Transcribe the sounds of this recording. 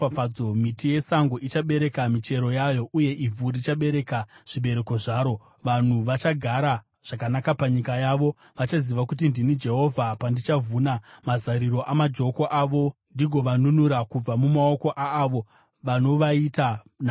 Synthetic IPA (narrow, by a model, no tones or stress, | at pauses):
ad͡zo̞mitije̞saŋɡoʔit͡ʃaɓe̞ɾe̞kamit͡ʃe̞ɾo̞jajo̞ʔuje̞ʔivʱuɾit͡ʃaɓe̞ɾe̞kaʐ̥iɓe̞ɾe̞ko̞ʐaːɾo̞ | ʋan̤uʋat͡ʃaɡʱaɾa | ʐ̥akanakapaɲikajaːʋo̞ | ʋat͡ʃaziʋakut̬indinid͡ʒe̞ɦo̞vʱapandit͡ʃavuːnamazaɾiɾo̞ʔamad͡ʒo̞ko̞ʔaʋo̞ndiɡʱo̞ʋanunuɾakub͡vamumao̞ko̞ʔaːʋo̞ | ʋano̞ʋaita | n